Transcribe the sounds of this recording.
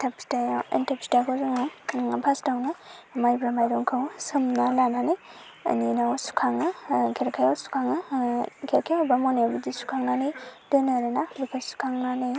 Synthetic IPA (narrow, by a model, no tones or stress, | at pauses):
tʰap̚kʰi̥tajawḭntap̚t͡ʃʰi̥takʰozaŋabʰastawnamajbɾamajɾɔŋkʰawsɯmnalananɯj | ɐ̰ninawsu̥kʰaŋɯkʰeɾkʰajawsu̥kʰaŋɯkʰeɾkʰajawbamonebudisu̥kʰaŋnanɯjdɯnɯɾɯnabikʰasu̥kʰaŋnanɯj